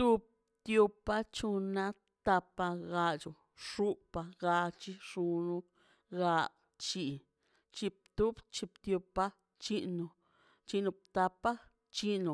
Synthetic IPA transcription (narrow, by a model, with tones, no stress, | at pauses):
t̪u˧b̚ | t̪jo˧pa˦t͡ʃu˧na˦ | t̪a˧pa˧ɡa˧t͡ʃu˨ | ʂu˦pa˧ɡa˧t͡ʃi˦ʂu˧nu˧ | ɡa˧ | t͡ʃi˧ | t͡ʃi˧p̚t̪u˦bt͡ʃi˧pt̪jo˧pa˦ | t͡ʃi˦no˧ | t͡ʃi˧nu˧p̚t̪a˧pa˦ | t͡ʃi˦nu˨